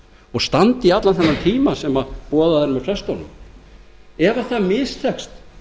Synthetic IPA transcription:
ɔɣst̪ant̪ɪiat̪lanθɛnːaɾt̪ʰiːmasɛmapɔːðaɛɾmɛfɾɛst̪ɔwnʏ̰m | ɛvaθamɪst̪ʰɛkst̪

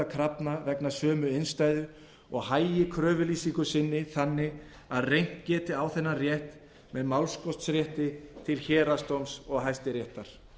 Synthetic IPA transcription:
akʰɾapnavɛknasœːmʏejnst̪aːjðʏ | ɔɣhaːjjɪkʰɾœːvʏliːsiŋkʏsɪnːɪθanːɪ | aðrejŋ̥t̪cɛːt̪ɪawθɛnːarjɛht̪ | mɛðmawlskɔst̪sɾjɛht̪ɪt̪ʰɪlçɛːɾast̪owmsɔɣɦajst̪ɪɾjɛht̪aɾ̥

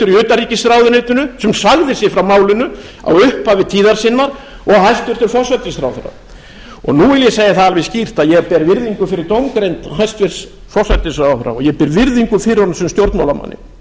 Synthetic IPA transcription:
t̪ʏɾiʏːt̪ariːcɪsθɾaːwðʏnet̪nʏnʏsɛmsaɣðɪsjɛfɾawmaːwlɪnʏ | a̰wʏhpavɪðt̪ʰiːðaɾ̥sɪnːaɾ̥ | ɔɣhajst̪vɪɾ̥t̪ʏɾfɔsat̪ɪsθɾa̰ːwfʏɾa̰ | ɔ̰ɣnuɪljɛseːjaθaalvɪscir̥t̪aðjɛpɛːɾvɪɾðiŋkʏfɪɾɪɾt̪owmkɾejnt̪ɦajst̪vɪɾ̥s | fɔr̥sat̪ɪsfɾawθʏɾa̰ɔjɛpɪɾvɪɾðiŋkʏfɪɾɪɾhɔnasɛmst̪jowɾt̪mawlama̰nːɪ̰

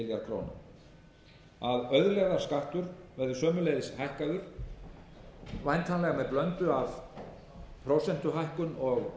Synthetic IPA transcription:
ɪljaɾkʰɾo̰wna̰ | aðœɥðʏlɛɣðaskaht̪ʏɾvɛɾðʏsœːmʏlejðɪshajhkaðʏɾ̥ | vajnt̪ʰaːlɛɣamɛðplœnt̪ʏav | pʰɾowsɛn̥t̪ʏɦajhkʏnɔɣ

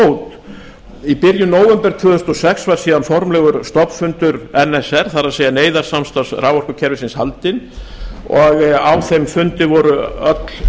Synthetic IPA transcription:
owt̪ | ipɪɾjʏnoːwɛmpɛɾt̪ʰvʏːðθʏst̪ɔsɛksvaɾ̥siːðanfɔɾmlɛɣʏɾst̪ɔpfʏnt̪ʏɾɛnɛsɛɾ̥θaɾaðseːjaneːjðaɾ̥samst̪asɾaːwvɔr̥kʏcʰɛɾvɪsɪnshalt̪ɪn | ɔɣawθejmfʏnt̪ɪvɔɾʏœt̪l̥

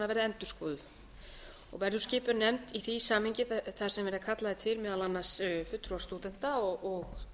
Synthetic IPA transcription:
navɛɾðɪɛnt̪ʏ̥skɔːðʏ | ɔ̰ɣvɛɾðʏscɪːpʏɾnɛmt̪iθisaːmhiɲcɪθaɾ̥sɛmvɛɾðakʰat̪laðɪt̪ʰɪlmɛːðalanːḁsfʏt̪ːɾast̪uːt̪ɛn̥t̪aɔɔɣ

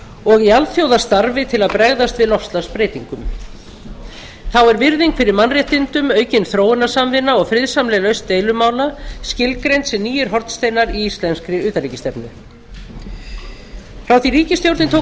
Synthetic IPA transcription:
ɔɣialθjowðast̪aɾvɪt̪ʰɪlaðpɾɛɣðast̪vɪðlɔfst̪laspɾeːjt̪iŋkʏm | θawɛɾvɪɾðiŋkfɪɾɪɾmanrjɛht̪ɪnt̪ʏmœːɥcɪnθɾoːwɪnḁsamvɪnːaɔɣfɾɪðsamlɛlœɥst̪eːjlʏmaːwlascɪlkɾejnt̪sɛmniːjɪɾɦɔɾt̪st̪eːjnaɾiist̪lɛnskɾɪʏːt̪alɾiːcɪst̪ɛpnʏ̰ | fɾawθiriːcɪst̪jowɾt̪nɪt̪ʰow

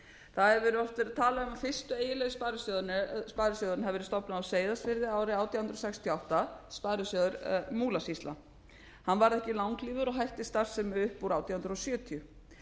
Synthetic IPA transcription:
θaðɛɾvɛɾʏɔft̪ɪɾt̪ʰaːlaʏmafɪr̥st̪ʏeːjɪlɛjðʏspaːɾʏsœðʏnʏspaːɾʏsœːðʏɾnhɛvɛɾst̪ɔpnaawseːjðasvɪɾðɪaːwɾɪaːwt̪ʰjahʏnɾosɛkst̪ʰjɔawht̪aspaːɾʏsjœðʏɾmuːlasist̪la̰ | hanːvaɾðɛhcɪlawŋkliːvʏɾɔɦajht̪ɪst̪ar̥sɛmʏhpːuɾawt̪ʰjaːhʏnɾɔsjœːt̪ʰiʏ

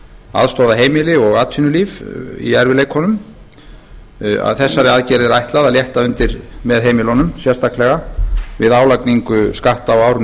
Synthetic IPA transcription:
a̰ðst̪owðaɦeːjmɪlɪɔɣaːt̪ʰinʏlivḭɛɾvɪlejkʰhɔnʏm | a̰ðθɛsːaɾɪaðcɛɾɪðɾajht̪laðaðljɛht̪aʏnt̪ɪɾmɛðɦejmɪlɔnʏmsjɛst̪ʰahklɛɣavɪðaːwlakniŋkʏskaht̪awaːwɾʏn

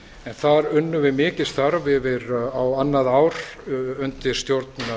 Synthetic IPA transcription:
ɛnθaɾʏnːʏvɪmɪːcɪ̥st̪θaɾvɪvɪɾawanːaðaːwɾ̥ʏnt̪ɪ̥st̪jowɾt̪na

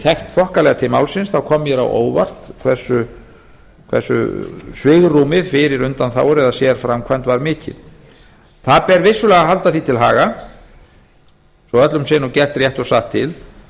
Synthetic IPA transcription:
θʰɛxt̪θɔhkalɛɣat̪ʰɪlmawlsɪnsθawkʰɔmjɛɾa̰wʔo̰ːwva̰r̥t̪kʰvɛr̥sʏ | kʰvɛ̰rsʏ̰svɪɣrumɪðfɪɾɪɾʏnt̪anθa̰wɾɛðasjɛɾ̥fɾamkʰvɛjnt̪vaɾmɪːcɪ̰ð | θaðpɛɾvɪsːʏlɛːɣaɦalt̪aθit̪ʰɪlɦa̰ːɣa | sɔœt̪lʏmsɪnɔcɛr̥t̪rjɛht̪ɔsaht̪ʰːɪl

